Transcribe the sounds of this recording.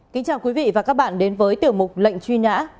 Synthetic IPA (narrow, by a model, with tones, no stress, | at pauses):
ki˨˦ŋ̟t͡ɕaː˧˩wkwi˨˦vḭ˧˨vaː˨˩kaː˦˥k̚ɓa̰ː˧˨nɗe˨˦nvəː˨˦jt̪i˨˩əwmʊ˨˩k͡p̚lə̰˧˨jŋ̟t͡ɕwi˧na̰ː˧˥